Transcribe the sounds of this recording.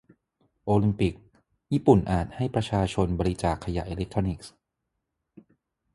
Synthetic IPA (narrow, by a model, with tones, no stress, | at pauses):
ʔoː˧li˧mpi˨˩k̚ | jiː˥˩pu˨˩nʔaː˨˩t̪̚ha˥˩jpɾa˧t͡ɕʰaː˧t͡ɕʰo˧nbɔː˧ɾi˦˥t͡ɕaː˨˩kʰːa˧ja̰˨˩ʔeː˧le˦˥k̚t̪ʰɾo˧ni˨˩k̚s